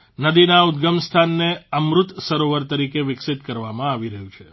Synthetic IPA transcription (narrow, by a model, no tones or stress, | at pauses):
nəd̪inaud̪ɡəmst̪ʰanːeəmɾʊt̪səɾoʋəɾt̪əɾikeʋɪksɪt̪kəɾʋamãaʋiɾəɦũt͡ʃʰe